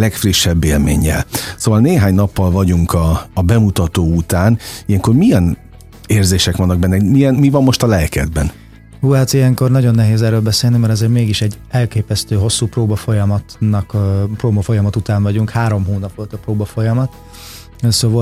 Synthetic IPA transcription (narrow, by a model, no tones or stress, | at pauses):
lɛkfriʃːɛbːeːlmḛːɲːɛ̰lsoːvɒlneːɦaːɲnɒpːɒlvɒɟuŋkɒːbɛmut̪ɒt̪oːut̪aːnijɛŋko̞rmijɛn | eːrzeːʃɛkʋɒnːɒɡ̚bɛnːɛmijɛnmivɒmːo̞ʃt̪ɒlɛkɛ̰d̪bɛn | huːat̪ijɛŋko̞rnɒɟo̞nːɛɦeːzɛːrɾøːlbɛseːlnimɛɾɒzeːɾmeːɡiʃɛɟɛlkeːpɛst̪øːɦo̞sːuːproːbɒfo̞jɒmɒt̪nɒkproːbɒfo̞jɒmɒt̪ut̪aːnvɒɟuŋkhaːɾo̞mɦoːnɒpʋo̞lt̪ɒproːbɒfo̞jɒmɒt̪ | soːvɔ